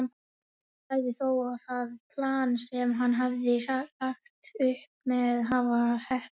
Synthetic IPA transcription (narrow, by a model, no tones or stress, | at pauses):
n | θaːjðɪθoːwaθaðpʰlaːnsɛmɦanːɦavðɪalaxt̪ʏhp̚mɛðɦaːvahɛh